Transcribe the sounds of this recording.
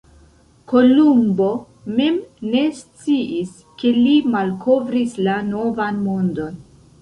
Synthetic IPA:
ko̞lumbo̞ | me̞mne̞st͡siʔis | ke̞limalkʰo̞vɾislano̞vanmondo̞n

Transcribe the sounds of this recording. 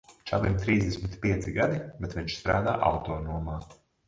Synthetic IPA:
t͡ʃavimt̪ɾiːzd̪esʲmit̪pʲiɛt̪siɡad̪ibɛt̪viɲʃst̪ɾaːd̪aːʔa̰wt̪oːnuɔmaː

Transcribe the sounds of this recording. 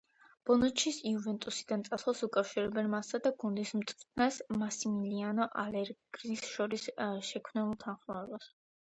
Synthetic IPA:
b̥ɔnut͡ʃʰisiuvɛnt̪ʼusid̪ant̪sʼaslasukʼafʃiɾɛbɛnmasad̪aɡund̪ismt̪ʼt̪ʰnasmasimilianɔʔalɛɾɡɾisʃɔɾisʃɛkʰmnɛulˠt̪ʰanχmɔɛbas

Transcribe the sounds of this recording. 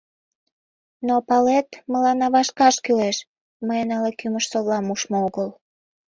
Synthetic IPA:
nopɑlet̪məlɑnɑβɑʃkɑʃkyleʃ | məjenɑlekyməʃsoβlɑmuʃmooɣəl

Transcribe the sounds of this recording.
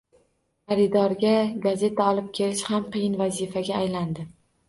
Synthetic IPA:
haɾɪd̪ɒɾɡʲaɡaze̞t̪ʰaɒlˠɪp̚kʲʰe̞lɪʃhamqʰɨjɪnvazifaɡʲaːjland̪ɪ

